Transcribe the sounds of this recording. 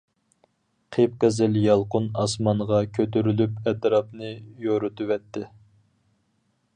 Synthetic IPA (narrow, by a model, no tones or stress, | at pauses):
qʰep̚qɛzɪljɑlˠqʊnɑsmɑnʁɑkʲʰøt̪yɾylypɛt̪ɾɑp̚nɨjoɾut̪ʰɨwɛt̪ʰːɪ